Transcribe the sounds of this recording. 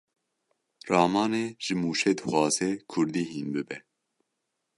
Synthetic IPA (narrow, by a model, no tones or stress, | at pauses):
rɑːmɑːneːʒ̥ɨmuːʃeːd̪ɨxwɑːzɛkʰʊɾd̪iːɦiːnbɨbɛ